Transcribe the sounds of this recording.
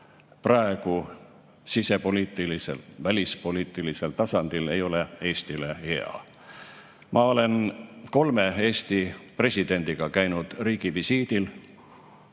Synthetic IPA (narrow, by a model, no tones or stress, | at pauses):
prɑeɡ̥u | sise̞po̞liːt̪ilisḛlvælʲispo̞liːt̪ːˑilise̞lt̪ɑsɑnd̪̥ile̞jo̞le̞e̞ːst̪ile̞he̞ɑ̰ | mʔɑo̞le̞nko̞lmee̞ːst̪ipre̞sʲid̪̥e̞nʲd̪̥iɡ̥ɑkæjnud̪̥riːɡ̥ivisiːd̪il